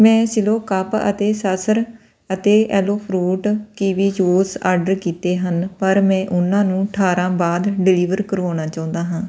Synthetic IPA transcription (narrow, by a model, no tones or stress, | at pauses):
mɛ̃ːsɪloːkaːpə̰t̪eːsəsəɾ | ət̪eːɛːloːpʰɾuːʈkiːʋiːjoːsa̰ːɾɖəɾkiːt̪eːɦənpəɾmɛ̃ːʔʊnãːnũːəʈʰaːɾãːbaːd̪ɖɪliːʋəɾkəɾaːɽ̃aːt͡ʃãːʊ̃nd̪aːɦãː